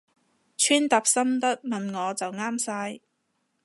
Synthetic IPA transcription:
t͡ʃʰyː˥nt̪a˨p̚sɐ˥mt̪ɐ˥t̚mɐ˨nŋɔː˨˧t͡sɐ˨wŋaː˥msaː˧j

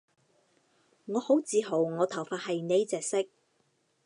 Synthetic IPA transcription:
ŋɔː˨˧ho˨˥wt͡siː˨˧ɦo˨˩wŋɔː˨˧t̪ʰɐ˨˩wfaː˧t̚hɐ˨jne˨˧jt͡sɛː˨k̚sɪ˥k̚

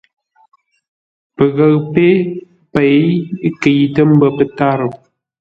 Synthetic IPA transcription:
pə˨ɣə˨ɣpe˦ | pe˨jke˨jtə˦m̩˦bə˦pə˨ta˦ɾə˨

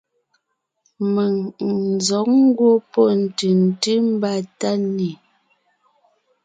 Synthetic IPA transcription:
mə˨ŋn̩˨zɔ˨˦k̚ŋ̩˦ɡwo˦pɔ˦˨n̩˨tɯ˨n̩˨tɨ˦m̩˦ba˦˨ta˦ni˨

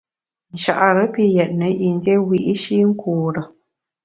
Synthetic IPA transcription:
n̩˨ʃa̰˨ʔɾə˨˦pi˦jɛ˨t̚nə˨˦ʔi˨n˦de˦wi˦ʔi˦ʃi˦ŋ̩˦kuː˨ɾə˨

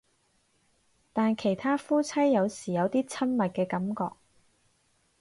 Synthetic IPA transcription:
t̪aː˨nkʰe˨˩jt̪ʰaː˥fuː˥t͡sʰɐ˥jːɐ˨˧wsiː˨˩jɐ˨˧wt̪iː˥t͡sʰɐ˥nmɐ˨t̚kɛː˧kɐ˨˥mkɔ̰ː˧k̚

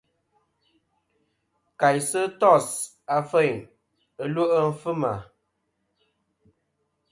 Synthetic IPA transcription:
ka˨jsə˦tɔ˦˨s | a˨fə˦˨jn | ə˦lwo˦ʔə˦m̩˦fɨ˦ma̰˨

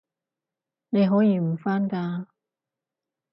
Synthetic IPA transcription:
ne˨˧jɦɔː˨˥jiː˧m̩˨˩faː˥nkaː˧

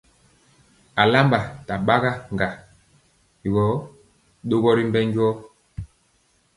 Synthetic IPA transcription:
a˨la˦mba˨ta˨ɓa˦ɣa˦ŋɡa˨ | ɡɔ˨˦ | ɗo˦ɣɔ˦ɾi˦mbɛ˦ɲɟɔ˦

